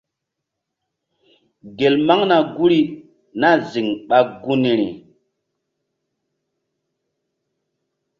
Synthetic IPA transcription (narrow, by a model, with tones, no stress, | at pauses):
ɡe˨lma˦ŋna˨ɡu˦ɾi˦ | na˦˨zi˨ŋɓa˦ɡu˦ni˨ɾḭ˨